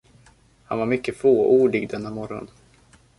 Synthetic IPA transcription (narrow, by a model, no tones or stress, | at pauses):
ha̰nvaɾmʏkːəfoːʔuːɖɪɡd̪ɛnːamɔɾɔ̰n